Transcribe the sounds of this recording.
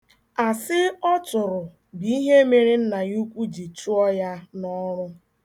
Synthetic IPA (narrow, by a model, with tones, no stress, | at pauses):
a˨sɪ˦ɔ˦tʊ˨ɾʊ˨ | bi˦ɦe˦me˨ɾi˦n̩˦na˨ju˦kʷu˦d͡ʒi˨t͡ʃu˦ɔ˦ja˦nɔ˦ɾʊ˦